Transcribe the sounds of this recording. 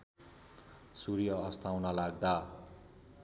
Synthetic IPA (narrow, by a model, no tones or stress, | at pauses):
surjʌːst̪ʰawnʌlaɡ̚d̪a